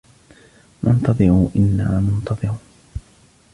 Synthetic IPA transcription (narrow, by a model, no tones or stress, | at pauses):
nʔʊnt̪ɑðˤɨʕuːʔɪnːaːmʊnt̪ɑðˤɨɾuː